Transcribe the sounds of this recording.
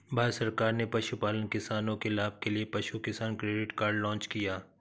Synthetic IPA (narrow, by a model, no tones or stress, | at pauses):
bʱaːsɐɾkaːɾnepɐʃupaːlənkɪsaːnõkelaːb̚keliepɐʃukɪsaːnkɾeːɖɪʈkaːɾɖlɔ̃ːnt͡ʃkijaː